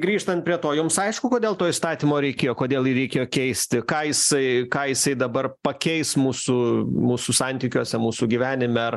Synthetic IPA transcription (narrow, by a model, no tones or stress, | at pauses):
ɡɾʲiːʃt̪ɐnt̪̚pɾʲiɛt̪oːjʊmsɐɪʃkʊkoːd̪ʲeːlˠt̪oːist̪ɑːt̪ʲiːmoːɾʲɛɪkʲeːjoːkoːd̪ʲeːlˠjɪɾʲɛɪkʲeːjoːkʲɛɪsʲt̪ʲɪkɑːjɪsɐɪkɑːjɪsɐɪd̪ɐbɐrpɐkʲɛɪsmuːsʊmuːsʊsɑnʲt̪ʲiːkʲoːsʲɛmuːsʊɡʲiʋʲæːnʲɪmʲɛɐr